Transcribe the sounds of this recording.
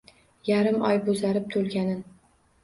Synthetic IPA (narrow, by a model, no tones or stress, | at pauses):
jaɾɪmɒ̰jbozaɾɪp̚t̪ʰolˠɡʲanɪn